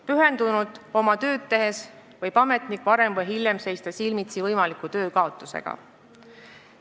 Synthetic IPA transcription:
pyɦe̞nd̪unud̪̥o̞mɑt̪ø̞ːd̪t̪ːe̞ɦe̞s | vɤjpɑme̞t̪ˑnikˑvɑɾe̞mvɤjɦiljemse̞jst̪ɑsilmit̪sivɤjmɑlikˑut̪ø̞ːkɑo̞t̪ːˑuse̞̰ɡ̥ɑ̰

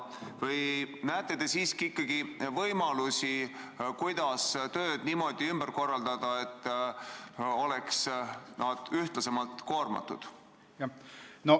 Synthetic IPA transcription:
vɤjnæːt̪ːˑe̞t̪esiːskiikːˑɑɡ̥ivɤjmɑlusi | kujd̪̥ɑst̪ø̞ːd̪̥niːmo̞d̪̥iymb̥ərko̞rːɑld̪̥ɑd̪̥ɑe̞t̪ːˑ | o̞le̞ksnɑd̪̥yht̪lɑse̞mɑlt̪ko̞ːrmɑ̰t̪ːˑṵd̪̥ | jɑno

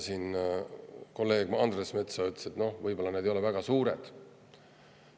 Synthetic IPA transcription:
sin | ko̞lːe̞ːɡ̥mɑnd̪resme̞t̪sɑyt̪ːse̞t̪no̞hvɤjbo̞lːɑned̪ejo̞le̞væɡ̥ɑsuːɾed̪̥

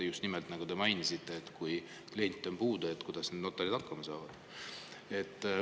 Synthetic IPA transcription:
just̪nimɛlt̪nɑɡ̥ud̪̥e̞mɑjnʲisit̪ːˑe̞ːt̪kuj | klie̞nʲt̪ʲːˑo̞npuːd̪̥ɑe̞t̪ːkujd̪̥ɑsned̪no̞t̪ːˑɑlid̪ɑkːɑmɑsɑːvɑd̪̥ | e̞t̪ː

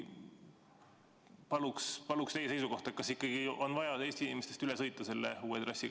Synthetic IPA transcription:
pɑlukspɑlukst̪ejːeejsuko̞ht̪ɑet̪kɑsikːˑɑɡ̥iʔo̞nvɑjɑt̪eːst̪iinʲimest̪est̪ylɛsɤjt̪ˑːɑse̞lːeuːet̪rɑsʲːi

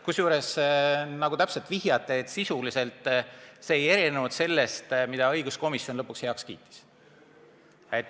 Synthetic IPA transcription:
kusjuːɾe̞snɑɡ̥ut̪æpselt̪viɦjɑt̪ːˑeːt̪ːsisulise̞lt̪ˑse̞ːje̞ɾinevut̪se̞lːe̞st̪mid̪̥ɑɤ̞jɡ̥usko̞misjo̞nlɤpːˑukshe̞ɑkskḭːt̪ːˑi̥s | et̪ːˑ

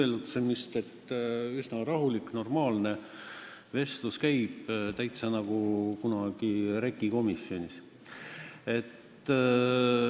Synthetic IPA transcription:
elut̪se̞mist̪e̞t̪ːysnɑɾɑɦulikno̞rmɑːlne̞ | ve̞st̪luskæjb̥t̪æjt̪sɑnɑɡ̥ukunɑɡ̥iɾe̞kːˑiko̞misio̞nʲis | e̞t̪ː

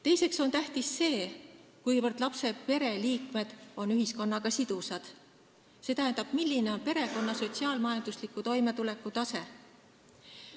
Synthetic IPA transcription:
t̪e̞jse̞kso̞nt̪æht̪isːe̞ːkujvɤrd̪̥lɑpse̞pe̞ɾe̞liːkme̞d̪̥o̞nyɦisko̞nːɑɡɑsid̪̥usɑd̪̥ | se̞ːt̪æɦend̪̥ɑb̥milʲːine̞o̞npe̞ɾe̞ko̞nːɑso̞t̪ʲsiɑːlmɑjɑnd̪uslikːˑut̪o̞jme̞t̪ule̞kːˑut̪ɑse̞

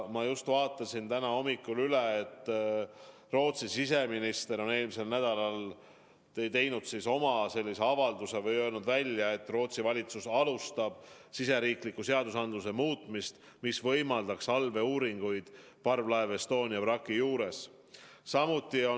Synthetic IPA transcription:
mɑjust̪vɑːt̪ːˑɑsint̪ænɑo̞mikːˑulyleːt̪ːˑ | ro̞ːt̪sisise̞minist̪e̞ɾo̞ne̞ːlmise̞lnæd̪̥ɑlɑl | t̪e̞jt̪e̞jnud̪̥siso̞mɑse̞lːise̞ɑvɑld̪use̞vɤjøːlnud̪vælʲjɑe̞t̪ːˑro̞ːt̪sivɑlʲit̪susɑlust̪ɑb̥̚sise̞ɾiːklikːˑuse̞ɑd̪usɑnd̪lus̬e̞muːt̪mist̪ | misvɤ̞jmɑld̪̥ɑksɑlve̞uːɾiŋɡ̥ujd̪̥ | pɑrvlɑevest̪o̞ːnʲiɑvrɑkːˑijuːɾe̞s | sɑmut̪ˑːio

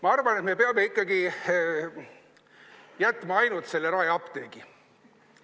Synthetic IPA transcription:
mɑɑrvɑne̞t̪me̞peɑme̞ikːˑɑɡi | jæt̪ːˑmɑɑjnut̪se̞lːeɾɑːjɑpt̪eːɡi

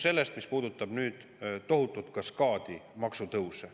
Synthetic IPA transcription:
se̞lːe̞st̪mispuːd̪ut̪ːˑɑb̥nyːd̪̥ | t̪o̞ɦut̪ːˑut̪kɑskɑːd̪̥imɑksut̪ɤwse

